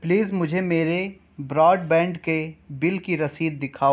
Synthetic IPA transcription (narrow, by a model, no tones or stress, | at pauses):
pliːzmʊd͡ʒʱemeːɾe | bɾɔːɖbɛ̃ːɳɖkebɪlkiɾɐsiːd̪̚ːɪkʰaːo